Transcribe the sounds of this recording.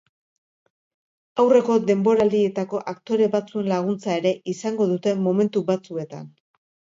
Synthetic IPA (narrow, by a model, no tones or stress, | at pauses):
awre̞ko̞d̪e̞mbo̞ɾald̪ie̞t̪ako̞ʔakt̪o̞ɾe̞βat͡sue̞nlaɣ̞unt͡sae̞ɾe̞ʔisaŋɡo̞ðut̪e̞mo̞me̞nt̪uβat͡sue̞t̪a̰n